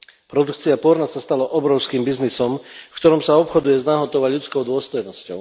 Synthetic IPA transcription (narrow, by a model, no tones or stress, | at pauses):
pɾɔd̪ukt͡siapɔɾnasast̪alɔʔɔbɾɔʊskiːmbiznisɔmfkt̪ɔɾɔmsaɔpxɔd̪ujɛznaɦɔt̪ɔʋaɟʎut͡skɔʊd̪ʊɔst̪ɔjnɔscɔ̰ʊ